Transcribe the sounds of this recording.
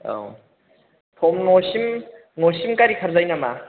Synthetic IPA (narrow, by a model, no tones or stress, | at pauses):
o̰ | tʰomnoɕim | noɕimkaɾikʰaɾzajnama